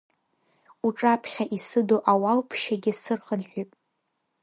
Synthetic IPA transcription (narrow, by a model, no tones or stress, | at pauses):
uʈ͡ʂʼapʰχʲaʔisɨdoʔawawpʰʃaɡʲɪsɨrχənħʷᶣijpʼ